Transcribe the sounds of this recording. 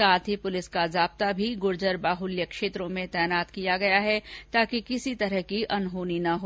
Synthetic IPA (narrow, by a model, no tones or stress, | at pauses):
saːt̪ʰɦipʊlɪskazaːb̚t̪abʱiɡʊɾd͡ʒəɾbaːɦʊljəkʃeːt̪ɾõmẽt̪ɛːnaːt̪kijaɡɐjaɦɛt̪aːkikɪsit̪ɐɾəɦkiʔɐnɦoːninɐɦoː